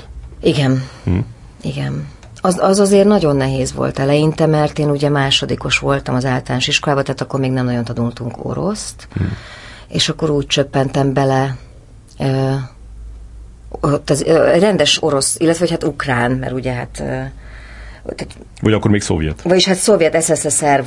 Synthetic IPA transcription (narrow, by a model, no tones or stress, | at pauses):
iɡɛn | iɡɛn | ɒzɒzɒzeːrnɒɟonːɛɦeːzʋo̰lt̪ɛlɛjint̪ɛmɛrt̪eːnuɟɛmaːʃo̞d̪iːko̞ʃʋo̞lt̪ɒmɒzaːlt̪ɒlaːnoʃiʃkolaːbɒt̪ɛɦaːt̪ɒkːormeːɡnɛmnɒɟo̞nt̪ɒd̪ult̪uŋko̞̰ɾo̞̰st̪ | ḛːʃɒkːo̞ɾuːc̚t͡ʃøpːɛnt̪ɛmbɛlɛ | øː | t̪ːɒzrɛnd̪ɛʃo̞ɾo̞silːɛt̪ʋɛɦo̞chaːt̪ukraːnmɛ̰ɾuɟɛɦa̰t̪ː | t̪at̪ | vɒɟɒkːorɾmeːkso̰vjɛ̰t̪vɒɟiʃhat̪so̞vjɛt̪ɛsɛsɛsɛr